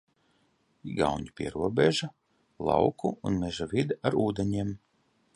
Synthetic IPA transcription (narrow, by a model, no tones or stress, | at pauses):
iɡa̰wɲipʲiɛɾuɔbʲeʒa | lˠɑ̰wkuunmɛʒavid̪aaɾuːd̪eɲiɛm